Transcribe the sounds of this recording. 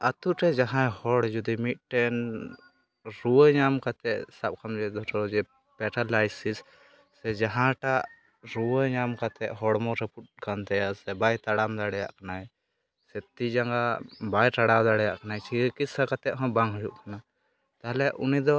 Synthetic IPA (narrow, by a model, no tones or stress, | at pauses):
at̪uʈɛd͡ʒaɦãhɔɽd͡ʒud̪imit̪̚ˀʈɛn | ɾuwəɲamkat̪ɛʔsab̚kʰamd͡ʒɛd̪ɔʈɔd͡ʒɛ | pɛʈalajsisː | ɛd͡ʒaɦãʈaʔ | ɾuwəɲamkat̪ɛʔɦɔɽmɔɾɛpuʈ̚kant̪ɛjasɛbajt̪aɽamd̪aɽɛja̰ʔkanaɛ | sɛt̪id͡ʒaŋɡabajʈaɽawd̪aɽɛjaʔkanajt͡ʃʰikisakat̪ɛʔɦɔ̃baŋɡɦɔd͡ʒṵʔkana | t̪aɦlɛʔunid̪ɔ